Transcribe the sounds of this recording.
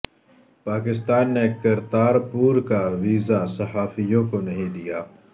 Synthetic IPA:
paːkɪst̪aːnːekɐɾt̪aːɾpuːɾkaʋiːzasɐɦaːfijõkonɐɦĩd̪ijaː

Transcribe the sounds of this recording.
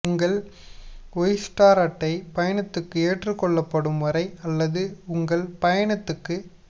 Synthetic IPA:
ʊŋɡɐɭ | ɔjsʈaːɾɐʈːɐɪpɐjɐɳɐt̪ːɯkːɯeːʈrɯkːɔɭːɐpːɐɽɯmʋɐɾɐɪɐlːɐðɯʊŋɡɐɭpɐjɐɳɐt̪ːɯkːɯ

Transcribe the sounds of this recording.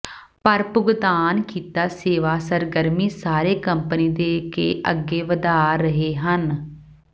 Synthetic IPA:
pəɾpʊɡd̪aːnkiːt̪aːseːʋaːsəɾɡəɾmiːsaːɾeːkəmpəniːd̪eːkḛːʔəɡːeːʋəd̪aːɾəɦeːɦən

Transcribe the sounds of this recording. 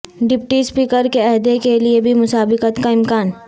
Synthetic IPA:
ɖɪpʈispiːkəɾkeɛɦd̪ekeliebʱimʊsaːbɪkət̪kaɪmkaːn

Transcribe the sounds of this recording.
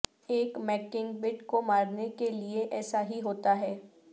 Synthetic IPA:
eːkmɛːkɪ̃ŋɡbɪʈkomaːɾnekelieʔɛːsaɦiɦoːt̪aɦɛː

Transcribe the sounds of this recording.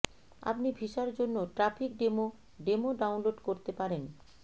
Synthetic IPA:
a̰pnibʱiʃaɾd͡ʑonːoʈɾafʰik̚ɖemo | ɖemoɖawnloɖkoɾt̪epaɾen

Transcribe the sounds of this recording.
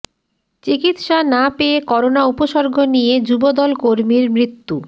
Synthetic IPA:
t͡ɕikit̪ʃanapeekɔɾonaupoʃɔɾɡʱonijed͡ʑubod̪ɔlkoɾmiɾmɾit̪ːu

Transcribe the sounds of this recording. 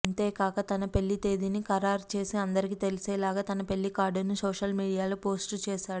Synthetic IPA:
ɐnt̪e̞ːkaːkɐt̪ɐnɐpe̞lːit̪e̞ːd̪inikɐɾaːɾt͡ʃe̞ːsiɐnd̪ɐɾik̬iːt̪e̞liseːlaːɡaːt̪ɐnɐpe̞ɭːikaːɾɖɐnusoːʂɐlmiːɽijaːlopo̞ːsʈt͡ʃeːʃaːɽu

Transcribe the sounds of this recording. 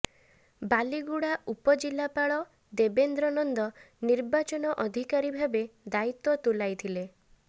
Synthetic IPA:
baliɡuɽaʔupɔd͡ʒilːapaɭɔ | d̪ebend̪ɾɔnɔnd̪ɔ | niɾbat͡ʃɔnɔʔɔd̪ʱikaɾibʱabed̪ait̪ɔt̪ulajt̪ʰile

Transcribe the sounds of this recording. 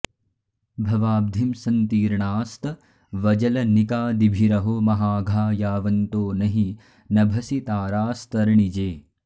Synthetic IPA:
bʱɐʋaːb̚d̪ʱimsɐnt̪iːɾɳaːst̪ɐ | ʋɐd͡ʒɐlɐnikaːd̪ibʱiɾɐɦomɐɦaːɡʱaːjaːʋɐnt̪oːnɐɦi | nɐbʱɐsit̪aːɾaːst̪ɐɾɳid͡ʒeː

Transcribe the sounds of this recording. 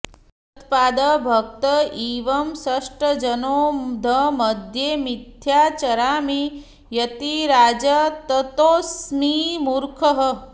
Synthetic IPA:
t̪paːd̪ɐbʱɐk̚t̪ɐiːʋɐmsɐʂʈɐd͡ʒɐnoːd̪ʱɐmɐd̪ʱjeːmid̪ʱjaːt͡ʃɐɾaːmi | jɐt̪iɾaːd͡ʒɐt̪ɐt̪oːsmiːmuɾkʰɐɦɐ̆

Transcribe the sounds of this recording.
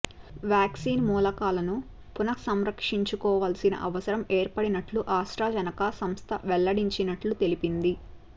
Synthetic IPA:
ʋjaːksiːnmuːlɐkaːlɐnu | punɐksɐmɾɐkʂiɲt͡ʃukɔːʋaːlsinɐ̰ʔɐʋɐsɐɾɐme̞ːɾpɐɽinɐʈluʔaːsɾaːd͡ʒɐnɐkɐsɐmst̪ʰɐʋɛlːɐɽiɲt͡ʃinɐʈlut̪e̞lipind̪i

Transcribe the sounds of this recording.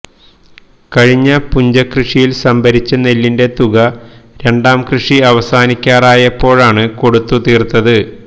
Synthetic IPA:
kɐɻiɲːɐpuɲd͡ʑɐkrɨʂijilsɐmbʱɐɾit͡ɕːɐnelːinde̞t̪uɣɐɾe̞ɳɖaːmkrɨʂiɐʋɐsaːnikʲːaːraːjɐpːo̞ːɻaːɳɨko̞ɽut̪ːut̪iːrt̪ːɐðɨ

